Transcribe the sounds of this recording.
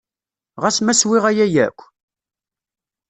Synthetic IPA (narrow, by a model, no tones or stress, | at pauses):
ʁæsmæswɪʁæjæjæ̰kʷː